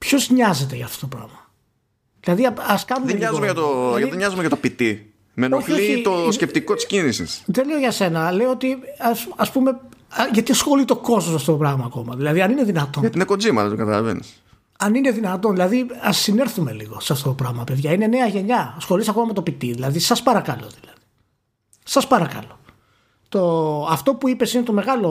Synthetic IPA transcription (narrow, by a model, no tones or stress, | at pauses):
pço̞zɲɐze̞t̪eʝɐːft̪ot̪opɾɐ̰ɣmɐ | ðilɐðiɐɐskɐnumeɲɐzumeʝɐt̪oʝɐt̪eɲɐzumeʝɐt̪opit̪i | menoçlit̪oscep̚t̪iko̞t̪i̥scinisḭsðe̞le̞oʝɐse̞nɐle̞oot̪iɐspume̞ʝɐt̪isxolit̪o̞ko̞zst̪osɐft̪o̞t̪opɾɐɣmɐːko̞mɐðilɐðiɐnineðinɐt̪o̞ɐt̪ineko̞d͡zimɐlet̪okɐt̪ɐlɐ̰vḛnḭs | ɐnine̞ðinɐt̪o̞nðilɐðiɐsːine̞ɾθume̞̰lḭɣo̞sɐft̪o̞t̪o̞pɾɐɣmɐpe̞ðʝɐine̞ne̞ɐʝe̞ɲɐsxo̞lisɐko̞mɐme̞t̪o̞pit̪iðilɐðisɐspɐɾɐkɐlo̞ðilɐði̥ | sɐspɐɾɐkɐ̰lo̞ | t̪o̞ɐft̪o̞puipe̞sine̞t̪o̞me̞ɣɐlo